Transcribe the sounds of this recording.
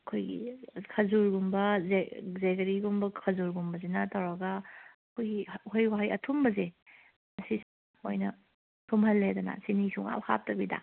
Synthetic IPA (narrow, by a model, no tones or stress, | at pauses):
ɐkʰojɡḭkʰɐzuɾɡumbɐzezeɡɐɾiɡumbɐkʰɐzuɾɡumbɐzinɐtʰɐwɾaɡɐ | kʰojɡihojwaɦajʔɐtʰumbɐze | mɐsi | ojnɐ | tʰumhɐlːedɐnɐ̰sinisuŋa̰whʰa̰p̚tɐbida̰